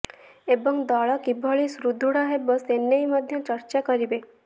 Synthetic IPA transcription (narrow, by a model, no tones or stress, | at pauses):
ebɔŋd̪ɔɭɔkibʱɔɭisɾud̪ʱuɽaɦebɔsenːejmɔd̪ʱjɔt͡ʃɔɾt͡ʃakɔɾibe